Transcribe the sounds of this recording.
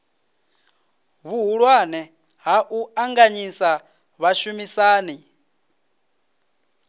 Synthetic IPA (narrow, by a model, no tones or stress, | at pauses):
βuɦuɺwanɛ | ɦaʔuaŋɡaɲisa | βaʃumisaːni